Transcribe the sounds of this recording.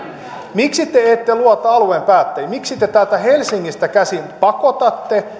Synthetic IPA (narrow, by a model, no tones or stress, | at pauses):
miksit̪ːeeːt̪ːeluɑt̪ɑɑluempæːt̪ːæjmiksit̪et̪ælt̪æhelsiŋːist̪ækæsinpɑkot̪ɑt̪ːe